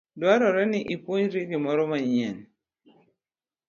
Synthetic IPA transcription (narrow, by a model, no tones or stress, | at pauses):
dwaɾɔɾɛnɪʔipoɲɾiɡimɔɾɔmaɲɛn